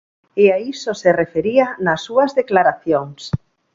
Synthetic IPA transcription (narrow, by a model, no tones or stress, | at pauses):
eaisoserefeɾianasːuazðeklaɾaθjoŋs